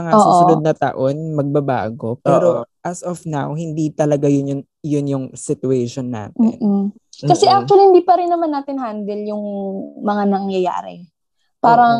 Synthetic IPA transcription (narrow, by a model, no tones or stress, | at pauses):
mɐŋaosːuʔsʊod̪̚nɐt̪ɐ̰ʔo̞nmɐɡ̚bɐba̰ːɡo̞pɛːɾoʔɐsɔfnawɦɪnd̪it̪ɐlɐɡajʊnjʊn | jʊnjʊŋsɪt̪ʊɛʃonːa̰ːt̪ɪːn̩ | kɐsɛʔak̚t͡ʃʊɐlihɪnd̪iːpɐɾɪnːɐmanːaːt̪ɪnhand̪ɛljʊŋmɐŋanɐŋjɐja̰ːɾɛ̰ | paːɾɐŋ